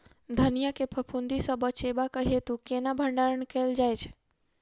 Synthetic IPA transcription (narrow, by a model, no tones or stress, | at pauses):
d̪ʱənijakepʰəpʰund̪isə̃bət͡ʃebakəɦet̪ukenabʱəɳɖaɾəɳkeld͡ʒajt͡ʃʰ